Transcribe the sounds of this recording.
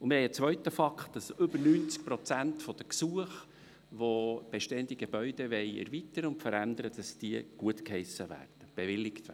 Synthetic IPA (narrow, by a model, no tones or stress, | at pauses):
ʊmɪhɛɪət͡sʋœɥtəfɑkχtd̥ɑsʏbəɾnyːnt͡sk̚pɾɔt͡sænt̪fɔd̥̪əksuəχ | ʋob̥eʃteːənd̥̪iɡ̥ebœʏd̥̪eʋɛɪɛ̰ɾvit̪əɾʊntfəɾænd̪əɾəd̥ɑsd̥iəɡ̥uətkhɛɪsəʋæ̰ːrd̥əb̥evɪlːɪktː